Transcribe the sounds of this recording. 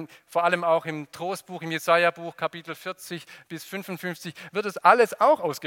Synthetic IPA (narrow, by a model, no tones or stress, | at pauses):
foːɐʔaləmaʊxɪmtʁ̥oːst̚b̥uːxɪmjezaɪabuːxkʰapiːtl̩fɪɐt͡sɪçb̥ɪsfʏnfʊntfʏnft͡sɪçv̥ɪɐt̚d̥asʔaləsaʊxʔaʊsɡ̥ə